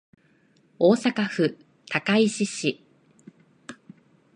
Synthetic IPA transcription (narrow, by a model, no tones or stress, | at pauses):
o̞ːsakaɸɯ̟ | t̪ʰakaiɕiɕi